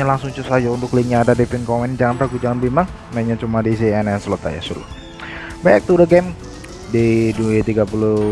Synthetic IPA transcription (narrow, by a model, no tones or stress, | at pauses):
ɲalaŋsuŋt͡ʃusad͡ʒaunt̪ʊkliŋɲaːdadefinkɔmɛnd͡ʒaŋanpɾaɡud͡ʒaŋanbimaŋ | naɲat͡ʃumadis̬iɛnɛnsəlot̪a̰ja̰sulʊ̰ | baɛk̚t̪udəɡɛm | deduet̪iɡapulʊ